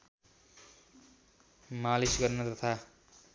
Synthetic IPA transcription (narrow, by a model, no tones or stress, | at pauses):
malisɡʌrnʌt̪ʌt̪ʰa